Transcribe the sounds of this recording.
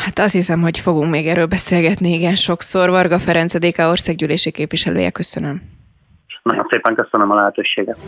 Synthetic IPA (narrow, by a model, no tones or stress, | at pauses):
hat̪ɒst̪hisɛmho̞cfo̞ɡuŋkmeːɡɛɾːøːlbɛseːlɡɛt̪niiɡɛnʃo̞kso̞rvɒrɡɒfɛɾɛnt̪sɛd̪eːkɛo̞rsaːɡɟyːleːʃikeːpʋiʃɛlø̰ːjɛ̰kø̞sønøm | nɒjonseːpɛŋkøsønəmɒlɛɦɛt̪øːʃeːɡɛt̪